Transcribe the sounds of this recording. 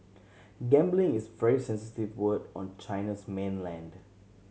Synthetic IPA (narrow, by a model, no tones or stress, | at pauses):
ɡɛ̃mblɪ̃ŋɪsvɛɹisɛ̃nsɪtivwədɔ̃nt͡ʃaɪnəsmẽnlɛ̃nd